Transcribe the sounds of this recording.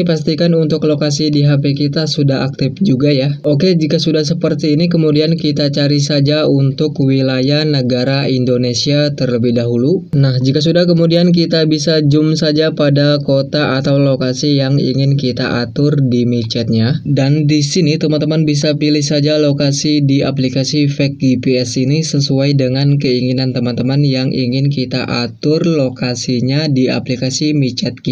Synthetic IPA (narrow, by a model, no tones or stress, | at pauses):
past̪ikanunt̪ʊklokas̬idiɦapekit̪asudaɦa̰k̚t̪ɪfd͡ʒuɡajaʔoked͡ʒikasudahsəpərt̪iːnikəmudiankit̪at͡ʃaɾisad͡ʒaunt̪ʊkwilajahnəɡaɾaindonesiat̪ərləbɪhdaɦulunahd͡ʒikas̬udahkəmudiank̬it̪abisad͡ʒʊmsad͡ʒapadakot̪aʔat̪awlokasijaŋḭŋɪnkit̪a̰ʔat̪ʊrdimit͡ʃɛt̪̚ɲadandisinit̪əmant̪əmanbis̬apilɪhsad͡ʒalokasidiap̬likasifɛk̚ɡipeɛsinisəsuajdəŋankəiŋinant̪əmant̪əmanjaŋʔḭŋɪnkit̪a̰ʔat̪ʊrlokasiɲadia̰plikasimit͡ʃɛt̪̚ki